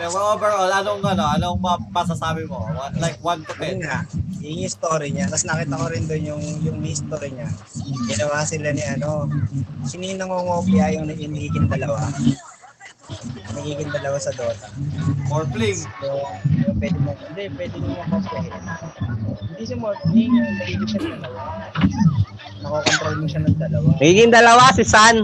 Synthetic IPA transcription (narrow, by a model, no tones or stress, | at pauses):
ɛɐʔobɛɹolaːloŋɡloɐlobomɐsasaːbɪmowalajk̚want̪ʊpɛŋajʊŋɪst̪oɾjɐɲat̪ɐsnɐkiːt̪ɐkoɾɪnd̪onjʊŋjʊŋmɪɪst̪oːɾɪɲa | ɡɪnɐwaːsɪlanɪʔɐno̞sɪninɐŋoŋoːpɪjajʊŋnɐʔiniːɡɪnd̪ɐlɐwa | nɐɡiːɡɪnd̪ɐlɐwasɐd̪o̞ːt̪ɐmoɹpliŋojopwɛːd̪ɪmoɛnd̪ɛpwɛːd̪ɪmʊmɐpɐslah | hɪnd̪isɐmoɹpliŋʊnɐɡiːɡɪʃanɐŋd̪ɐlɐwa | nɐkoːkont̪ɾajmoʃanɐŋd̪ɐlɐwaɐɡiːɡɪŋd̪ɐlɐwasɪsan